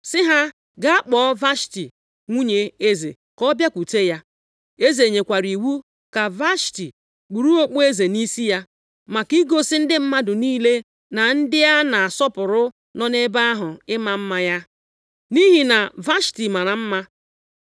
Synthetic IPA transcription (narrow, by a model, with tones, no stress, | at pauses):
sɪ˦ɦa˦ | ɡa˦a˦k͡pɔ˦va˦ʃti˨ | ŋʷu˦ɲe˨e˦zḛ˨ | kɔ˦bja˦kʷu˨te˦ja˦ | e˦ze˨ɲe˨kʷa˨ɾi˨wu˦ | ka˨va˦ʃti˨ | k͡pu˨ɾu˦o˦k͡po˦e˦ze˨ni˦si˦ja˦ | ma˨ki˦ɡo˦sɪ˦n̩˦dɪ˦m̩˦ma˦dʊ˨niː˦le˦ | na˨n̩˦dɪ˦ja˦na˨a˨sɔ˦pʊ˨ɾʊ˦ | nɔ˦ne˦ba˦a˦ɦʊ˨ɪ˦ma˨m̩˦ma˦ja˦ | ni˦ɦi˨na˨va˦ʃti˨ma˨ɾa˨m̩˦ma˦